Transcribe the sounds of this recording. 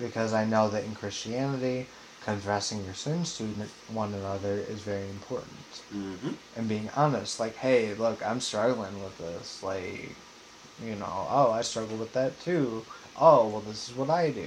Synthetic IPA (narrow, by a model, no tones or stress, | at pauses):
b̥ɨkʰʌzaɪnoʊðɨɾɨ̃nkʰɹ̥ɪst͡ʃiænɨɾi | kʰɨ̃ntɹ̥æsɪ̃ŋjə˞sɜ̃nstʉdⁿnn̩twʌ̃nənʌðə˞ɪ̰zvɛɹiɨ̃mpʰɔɹʔn̩t | ʔɨ̃nbiɪ̃ŋɑnɨstlaɪkheɪlʊkã̰ɪ̃mstɹ̥ʌɡl̩ˠɪ̃ŋwɪðɪslaɪk | jɨno̰ʊʔoʊaɪstɹ̥ʌɡl̩ˠwəðɨtʰʉ | ʔoʊwɛlˠðɪsɨzwʌɾaɪdʉ̰